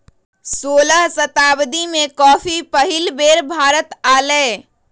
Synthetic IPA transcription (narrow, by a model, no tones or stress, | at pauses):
soləɦsət̪abd̪imekɔːpʰipəɦilbeɾbʱaɾət̪ale